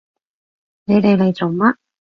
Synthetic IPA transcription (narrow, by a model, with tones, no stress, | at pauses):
ne˨˧jt̪e˨˧jle˨˧jt͡so˨wmɐ˥